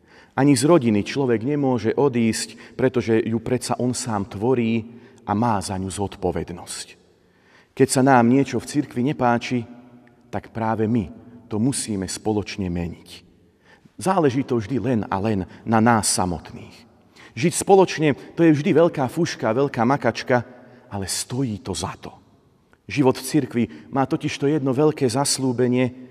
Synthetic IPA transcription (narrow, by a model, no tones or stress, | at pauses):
ʔaɲizɾɔɟinit͡ʃlɔʋɛɡɲɛmʊɔʒɛʔɔd̪iːscpɾɛt̪ɔʒɛjupɾɛt͡saʔɔnsaːmt̪ʋɔɾiː | ʔamaːzaɲuzɔt̪pɔʋɛ̰d̪nɔsc | kɛcsanaːmɲɪɛt͡ʃɔft͡siɾkʋiɲɛpaːt͡ʃi | t̪akpɾaːʋɛmit̪ɔmusiːmɛspɔlɔt͡ʃɲɛmɛɲic | zaːlɛʒiːt̪ɔvʒd̪ilɛna̰lɛnːanaːsːa̰mɔ̰t̪niːx | ʒicspɔlɔt͡ʃɲɛt̪ɔjɛvʒd̪iʋɛʎkaːfuʃkaːʋɛʎkaːmakat͡ʃka | alɛst̪ɔjiːt̪ɔzat̪ɔ̥ | ʒiʋɔd̪ft͡siɾkʋimaːt̪ɔciʃt̪ɔjɛd̪nɔʋɛʎkɛːzasluːbɛɲɪɛ